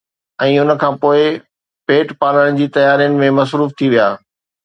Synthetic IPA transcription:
ɛ̃ːʊn̆kʰãːpoːɪ | peːʈpaːləɽ̃̆d͡ʑiːt̪ɐjaːɾijʊnɪ̆mẽmɐsɾuːft̪ʰiʋijaː

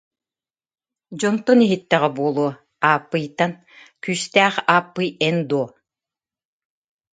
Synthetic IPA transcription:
d͡ʑɔnt̪ɔniɦit̪ːɛʁɛbuɔlˠuɔ | aːpːɯjt̪ːan | kyːst̪æːχaːpːɯjɛnd̪uɔ

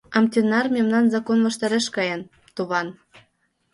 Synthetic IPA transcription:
ɑmt̪ʲenɑrmʲemnɑnzɑkonvɤ̆ʃt̪ɑɾeʃkɑjɤ̆n | t̪uβɑn

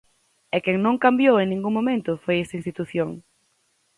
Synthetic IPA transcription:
ɛkɛŋnõŋkambjoweŋnĩŋɡuŋmomẽnt̪ʊfojest̪ainst̪it̪uθjoŋ

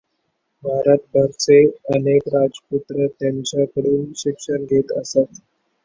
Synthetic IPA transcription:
bʱaɾət̪̚bʱəɾt͡seənekɾad͡zput̪ɾət̪jant͡ɕakəɽuːnɕikʂənɡʱet̪ə̰sat̪

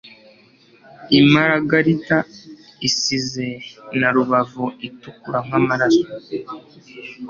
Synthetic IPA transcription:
imaɾaɡaɾita | isize̞naɾuβavuitukuɾaŋ̥amaɾasḁ

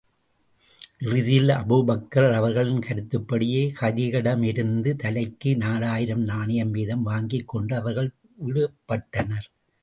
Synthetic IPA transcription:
ʔɪrɯðɪjɪlɐ̰bubɐkːɐɾɐʋɐɾɣɐɭɪnkɐɾɯt̪ːɯpːɐɽɪjeːkɐðɪɣɐɽɐmɪɾɯnd̪ɯt̪ɐlɐɪkːɯnaːlaːjɪɾɐmnaːnɐjɐmʋiːðɐmʋaːŋɡɪkːɔɳɖɯɐʋɐɾɣɐɭ | ʋɪɽɯɐpːɐʈːɐnɐɾ

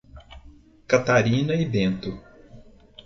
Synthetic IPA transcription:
kat̪aɾĩnɐɪbẽnt̪ʊ

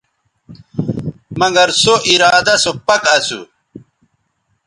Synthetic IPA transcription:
mɐŋɡɐɾsoʔiɾaːd̪ɐsopɐkɐsṵ

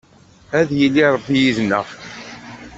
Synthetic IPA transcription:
æðjəlːiɾˤəbːijiznːəf

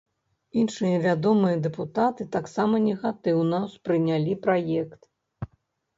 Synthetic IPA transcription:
inʂɨjɐvʲad̪ɔmɨjɐd̪ɛput̪at̪ɨt̪aksamɐnʲɛɣat̪ɨwnɐspɾɨnʲalʲipɾajɛkt̪

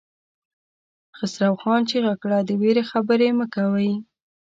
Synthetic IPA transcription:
xɪsɾawxɑnt͡ʃeɣakɽad̪əweɾexabəɾeməkawəj

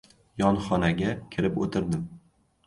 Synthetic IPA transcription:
jɒnχɒnaɡʲakʲʰɪɾɪpot̪ʰɪɾd̪ɪm

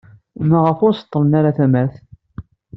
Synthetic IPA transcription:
mæʁəfʊɾsə̥t̪ˤːəɾənaɾaθæmæɾθ

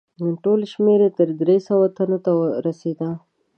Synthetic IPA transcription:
ʈolʃmeɾet̪əɾd̪ɾesawat̪anot̪awəɾased̪a

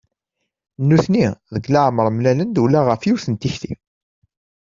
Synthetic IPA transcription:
nːuθniðəɡlaʕməɾˤmlælənd̪wlaʁəfjuwθənt̪içθḭm

